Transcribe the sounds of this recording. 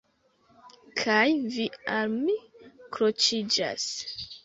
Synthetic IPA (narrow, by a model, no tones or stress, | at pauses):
kʰajvialmikɾot͡ʃid͡ʒa̰s